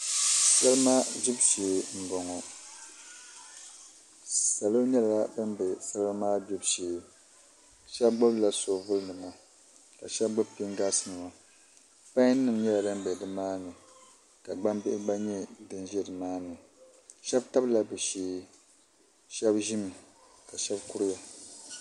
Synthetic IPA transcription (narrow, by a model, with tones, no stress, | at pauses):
sa˦lmaː˦ʒi˦bʃeː˨˦ŋ̩˨ɡɔ˨ŋɔ˨ | sa˨lo˦ɲɛ˦la˨a˨bɨ˦m˦bɛ˨sa˦lo˦maː˦bʊ˦bʃeː˨˦ | ʃɛ˦bɡ͡bɔ˦bla˨so˨vʊ˦lnɨ˨ma˦ | ka˨ʃɛ˦b̚ɡ͡bʊ˦bpi˦ŋɡa˦sɨ˦nɨ˨ma˨ | pã˦ɲ˦n˦nɨ˦˨mɲɛ˦la˨dɨ˦mbɛ˨dɨ˨maː˦nɨ˨ | ka˨ɡ͡ba˦mbɪ˦ʔɪ˦ɡ͡ba˦ɲɛ˦dɨ˦nʒɛ˦dɨ˨maː˦nɨ˨ | ʃɛ˦bta˦bla˨bɨ˨ʃeː˦ | ʃɛ˦bʒi˦mi˨ka˨ʃɛ˦bku˦ɾɪ˦ja˨